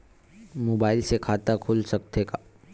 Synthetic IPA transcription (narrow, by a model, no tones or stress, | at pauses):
mobailsekʰat̪akʰulsək̚t̪eka